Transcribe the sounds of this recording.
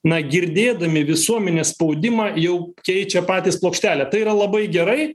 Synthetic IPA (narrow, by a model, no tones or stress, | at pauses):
nɐɡʲɪɾʲd̪ʲeːd̪ɐmʲɪʋʲɪsuɔmʲɛnʲeːsspɐʊd̪ʲɪmɑjɛʊkʲɛɪt͡ʃʲɛpɑːt̪ʲiːsplˠoːkʃʲt̪ʲæːlʲɛt̪ɐɪiːɾɐlˠɐbɐɪɡʲɛɾɐɪ